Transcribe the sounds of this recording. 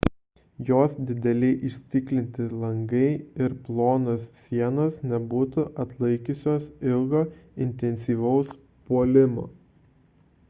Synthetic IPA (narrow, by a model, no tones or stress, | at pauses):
joːsd̪ʲɪd̪ʲɛlʲɛɪʔɪʃʲsʲt̪ʲɪklʲɪnʲt̪ʲɪlˠɐŋɡɐɪɪɾplˠoːnoːsːʲiɛnoːsnʲɛbuːt̪ʊʔɐt̪lˠɐɪkʲʊsʲoːsɪlˠɡoːɪnʲt̪ʲɛnʲsʲiːʋɐʊs | puɔlʲɪmo̰ː